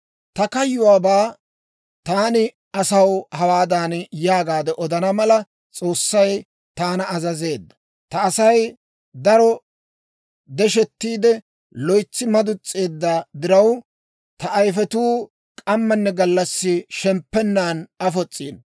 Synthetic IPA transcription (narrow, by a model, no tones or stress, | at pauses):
t̪ɐkɐjːʊwaːbaː | t̪aːnɪ | ɐsɐwhɐwaːd̪aːnjaːɡaːd̪ɛʔɔd̪ɐnɐmɐlɐ | t͡sʼo̞ːsːɐj | t̪aːnɐːzɐze̞ːd̪ːɐ̥ | t̪ɐːsɐj | d̪ɐɾɔ | d̪ɛʃɛt̪ːiːd̪ɛ | lɔjt͡sːɪmɐd̪ʊt͡sʼːeːd̪ːad̪ɪɾɐw | t̪ɐʔːjfɛt̪uː | kʼɐmːɐnːɛɡɐlːɐsːɪʃɛmpːɛnːaːnɐfɔt͡sʼːiːn